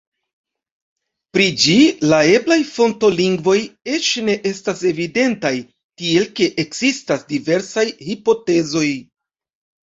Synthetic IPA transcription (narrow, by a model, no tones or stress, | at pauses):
pɾid͡ʒilae̞blajfo̞nto̞liŋɡvo̞je̞t͡ʃne̞ʔe̞stase̞vide̞ntaj | kie̞lke̞ʔekz̥istasdive̞ɾsajhipo̞te̞zo̞j